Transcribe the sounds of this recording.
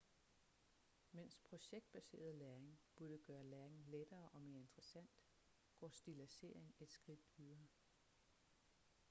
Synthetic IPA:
men̰spʰʁo̝ɕeɡ̥̚d̥̚b̥æse̝̰ːɐð̩ˠlæːɐeŋb̥uɐɾ̥əɡ̥ɶːɐlæːɐeŋled̥ɐːʔɒ̽me̝ːɐe̝nd̥ʁəsæn̰d̥ | ɡ̥ɒ̰ːsd̥ilæse̝̰ɐ̰eŋe̝d̥sɡ̥ʁid̥yðˠɐ

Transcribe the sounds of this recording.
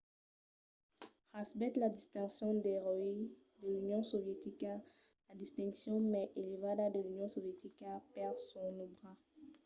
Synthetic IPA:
ʁasbɛt̪lad̪ist̪ɛ̃ksjɔ̃d̪ɛʁøi | d̪əlynjɔ̃sovjet̪ika | lad̪ist̪ɛ̃ŋksjɔ̃mɛʔelevad̪ad̪əlynjɔ̃sovjet̪ikapɛʁsɔʁnobʁa

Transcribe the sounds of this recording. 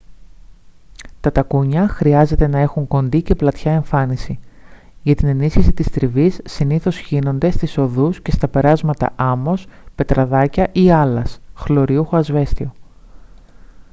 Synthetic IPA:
t̪ɐt̪ɐkuɲɐxɾiɐze̞t̪e̞nɐe̞xuŋko̞nd̪ice̞plɐt̪çɐe̞ɱfɐnisi | ʝɐt̪ine̞nisçisit̪ist̪ɾivisːiniθo̞sçino̞nd̪e̞st̪iso̞ðusce̞st̪ɐpe̞ɾɐzmɐt̪ɐ̰ʔɐmo̞spe̞t̪ɾɐðɐcɐʔiɐlɐsxlo̞ɾiuxoɐzve̞st̪io̞

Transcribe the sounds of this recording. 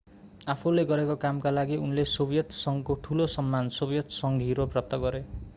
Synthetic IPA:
apʰuleɡʌɾekokamkalaɡiunlesobjʌt̪sʌŋkoʈʰulosʌmːansobjʌt̪sʌŋɡʱiɾoprap̚t̪ʌɡʌɾe

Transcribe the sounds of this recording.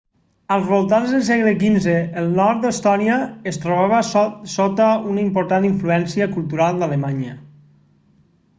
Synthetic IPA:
əlˠzβolˠt̪anzðəlˠsɛɣləkinzeːlˠnɔɾt̪̚d̪əst̪ɔnijəest̪ɾoβ̞aβəssot̪əunaimpoɾt̪aniɱfluɛnsiəkulˠt̪uɾalˠd̪alemaɲə

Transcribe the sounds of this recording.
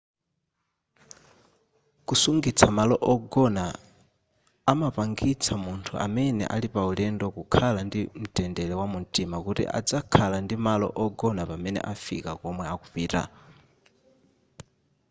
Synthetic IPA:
kusuŋɡit͡sʰamalɔʔɔɡɔna | mapaŋɡit͡sʰamuntʰuʔa̰mɛnɛ̰ʔalipaulɛndɔkukʰalandim̩tʼɛndɛlɛwamuntʼimakutḭʔa̰d͡zakʰalandimalɔ̰ʔɔɡɔnapamɛnɛ̰ʔafḭkakɔmwɛakuɸiːta̰

